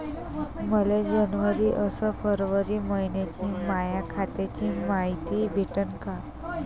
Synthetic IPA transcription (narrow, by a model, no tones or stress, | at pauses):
məled͡ʑənʋəɾiːʔəsəfəɾʋəɾiːməɦinjat͡ɕiːmajakʰat̪et͡ɕiːmaɦit̪iːbʱeʈənka